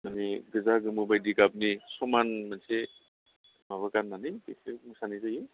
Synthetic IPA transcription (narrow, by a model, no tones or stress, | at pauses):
naniɡɯzaɡɯmɯbajdiɡab̚nisɔmanmanse | maβakanːanibesɯmɯsanizaji